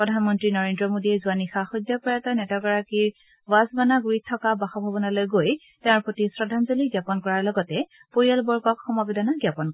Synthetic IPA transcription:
pɹɔdʱanmɔntɹinɔɹendɹɔmodiɛzuanixaxɔdɔpɔjatanɛtɔɡɔɹakiɹ | bazbanaɡuɹit̚tʰːɔkabaxɔbʱabɔnalojɡoj | tɛ̃ɹpotisɹɔdʱanzoliɡjapɔnkɔɹaɹlɔɡɔtɛ | poɹijalbɔɹɡɔkxɔmɔbɛdanaɡjapɔnk

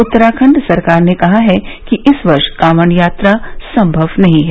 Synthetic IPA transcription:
ʊt̪ːəɾaːkʰə̃ɳɖsɐɾkaːɾnekɐɦaɦɛkiʔɪsʋɐɾʃkaːʋəɳjaːt̪ɾasɐ̃mbʱɐʋnɐɦĩɦɛː

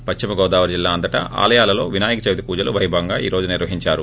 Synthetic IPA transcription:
pɐt͡ʃt͡ʃːimɐɡɔːd̪aːʋɐɾd͡ʒilːaːɐnd̪ɐʈɐ̰a̰ːlɐjaːlɐlo̞ːʋinaːjikɐt͡ʃɐʋid̪ipuːd͡ʒɐluʋɐjbʱɐŋɡaːḭːɾo̞ːd͡ʒuniɾʋɐɦiɲt͡ʃaːɾu

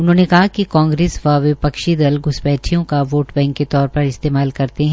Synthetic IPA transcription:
ʊnɦõːnekɐɦakikãːŋɡɾeːsʋaʋɪpɐkʃid̪ɐlɡʊsbɛːʈʰijõkaʋoːʈbɛ̃ːŋkːet̪ɔːɾpɐɾɪst̪eːmaːlkɐɾt̪eɦɛ̃

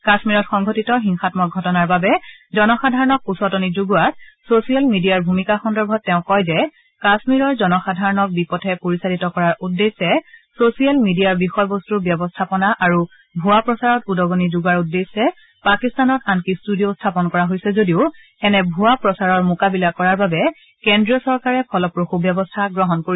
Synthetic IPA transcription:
kasmiɹɔtxɔŋɡʱɔtitɔxiŋxatmɔk̚ɡʱɔtɔnaɹbabɛzɔnɔxadʱaɹɔnɔk̚usɔtɔnizuɡuat̚sosialmidijaɹbʱumikaxɔndɔɹbʱɔtːɛʊ̃kɔjzɛ | kasmiɹɔɹzɔnɔxadʱaɹɔnɔk̚bipɔtʰɛpoɹisaditɔkɔɹaɹudːesːɛsosialmidijaɹbixɔjbɔstubjɔbɔstʰapɔnaʔaɹu | bʱuapɹɔsaɹɔtudɔɡɔnizuɡaɹudːesːɛ | pakistanɔtankistudijostʰapɔnkɔɹaɦojsɛzodiʊ | ɛnɛbʱʊapɹɔsaɹɔɹmʊkabilakɔɹaɹbabɛ | kendɹiɔsɔɹkaɹɛpʰɔlɔpɹoxubjɔbɔstʰaɡɹɔɦɔnkoɹis

